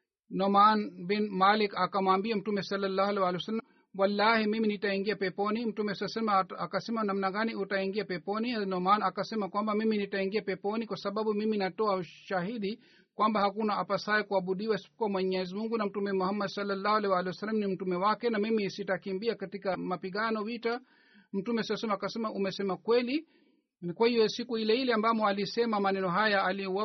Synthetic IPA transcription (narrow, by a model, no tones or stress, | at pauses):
nɔmanbinmalikakamaːmbiam̩tumɛsalːalːahalɛwalɛwsalː | walːahimiminitaiŋɡiapɛpɔnim̩tumɛsalasalmaakasɛmanamnaɡaniʔutaiŋɡiapɛpɔninɔmanakasɛmakwambamiminitaiŋɡiapɛpɔnikwasaɓaɓumiminatɔauʃahiɗi | kwambahakunaapasaɛkuaɓuɗiwasi̥kwamwɛɲɛzimuŋɡunam̩tumɛmuhamːɛdsalːalːahwalɛwalɛhsalam̩nim̩tumɛwakɛnamimisitakimbiakatikamapiɠanɔwita | m̩tumɛsiɔsɛmaːkasɛmaʔumɛsɛmakwɛli | kwahijɔsikuhilɛhilɛambamɔalisɛmamanɛnɔɦajaːliɔa